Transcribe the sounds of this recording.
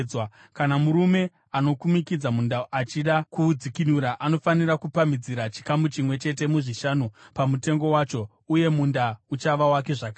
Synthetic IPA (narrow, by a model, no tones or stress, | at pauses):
wa | kanamuɾume̞ | ano̞kumikid͡zamundaʔat͡ʃiɗakud͡zikinuɾaʔano̞fanirakupamid͡ziɾat͡ʃi̥kamut͡ʃimwe̞t͡ʃe̞t̬e̞muʐiʃanopamute̞ŋɡo̞waːt͡ʃo̞ | uje̞mundaut͡ʃaʋawake̞ʐaka